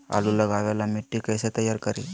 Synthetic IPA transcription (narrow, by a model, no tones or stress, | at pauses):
a̰luləɡaʋjalameʈːikəjset̪əjːaɾkəɾi